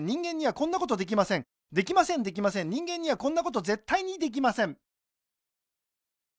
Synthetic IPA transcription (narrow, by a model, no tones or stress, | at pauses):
ĩŋɡẽɲ̟ːiβakõ̞nːako̞t̪o̞d̪e̞k̬ʲimasẽ̞ŋ | d̪e̞kʲimasẽ̞nd̪e̞k̬ʲimasẽɲ̟ɲĩŋɡẽɲ̟ːiβakõ̞nːako̞t̪o̞ze̞t̪ːaiɲ̟id̪e̞k̬ʲimasẽ̞ŋ